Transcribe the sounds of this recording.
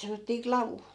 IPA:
sɑnotːiː klɑʋu

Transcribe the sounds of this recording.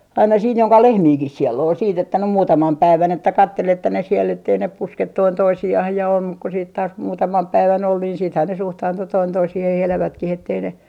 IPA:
ɑinɑ siːn joŋkɑ lehmiːkih sielː ol siːt etːæ nym muːtɑmɑm pæiʋæn etːæ kɑtːel etːæ ne siel etːei ne pusket toin toisiɑh jɑ om muk ku siːt tɑːs muːtɑmɑm pæiʋæn ol niːn siːthæn ne suhtɑːntu toin toisihih elæʋætkih etːei ne

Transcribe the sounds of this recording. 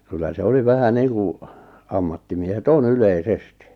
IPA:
kylːæ se oli ʋæhæ niːŋku ɑmːɑtːimiehet on yleisesti

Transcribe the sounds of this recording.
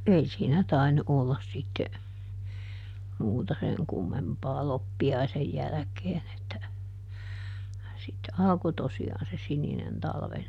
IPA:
ei siːnæ tɑinːu ʔolːɑs sitːe muːtɑ seŋ kumːempɑː lopːiɑisej jælækeːn etːæ sitːe ɑlko tosiɑːn se sininen tɑlʋen

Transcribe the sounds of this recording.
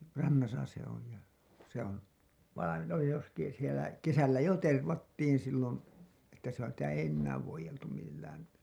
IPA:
rɑnːɑsɑ se oli jɑ se on ʋɑinen oli justiːn sielæ kesælːæ jo terʋɑtːiːn silːon etːæ sitæ ei enːæːʋ ʋoijeltum milːæːn

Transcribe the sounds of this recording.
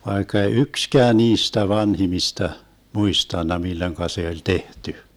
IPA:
ʋɑikːɑ ei ykskæː niːstæ ʋɑnhimistɑ muistɑnːɑ milːoĭŋkɑ se olʲ tehty

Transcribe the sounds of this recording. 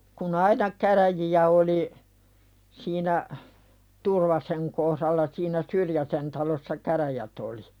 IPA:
kun ɑinɑ kæræjiæ oli siːnæ turʋɑseŋ kohɾɑlːɑ siːnæ syrjæsen tɑlosːɑ kæræjæt oli

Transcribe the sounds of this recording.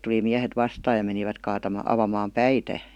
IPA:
tuli miæhet ʋɑstɑːj jɑ meniʋæt kɑːtɑmɑ ɑʋɑmɑːm pæitæ

